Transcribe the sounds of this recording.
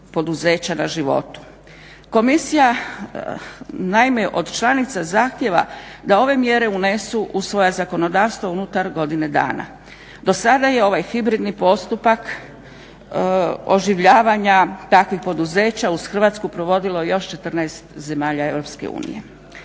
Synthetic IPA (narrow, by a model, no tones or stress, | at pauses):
po̞d̪uze̞ːt͡ɕanaʒiʋo̞̰t̪u̥ | ko̞misija | naime̞ʔo̞d̪t͡ʃlˠanit̪sazaxt̪je̞ʋa̰d̪ao̞ʋe̞mje̞ɾe̞unesuʔusʋo̞jazako̞no̞d̪aːʋst̪ʋounut̪aɾɡo̞d̪ine̞d̪a̰ːna̰ | d̪o̞sad̪aje̞o̞ʋajxibɾid̪nipo̞st̪upak | o̞ʒiʋʎaːʋaɲat̪akʋixpo̞d̪uze̞ːt͡ɕauz̥xr̩ʋaːt̪skupɾo̞ʋo̞d̪ilo̞jo̞ʃt͡ʃe̞t̪r̩najst̪ze̞maːʎae̞ʋɾo̞pske̞̰ṵːnḭje̞̰